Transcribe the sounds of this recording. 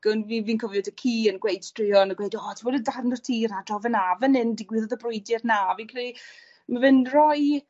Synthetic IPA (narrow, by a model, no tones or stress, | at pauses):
ɡ̥ənviːviːnkʰɔvjɔdəkʰiːənɡwejd̥strɪɔnəɡwejdɔːtʰiwɔdədarnɔ̥tʰiːɾadɔvənavənɪndɪɡwɪðɔðəbrʊɨdɪrnavinkʰɪɾi | mavɪnrɔj